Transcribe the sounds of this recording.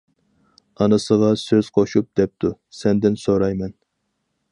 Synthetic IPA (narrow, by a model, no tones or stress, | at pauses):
ɑnɨsəʁɑsøz̥qʰoʃup̚d̪̥ɛp̚t̪ʰu | sɛnd̪ɪnsoɾɑjmɛn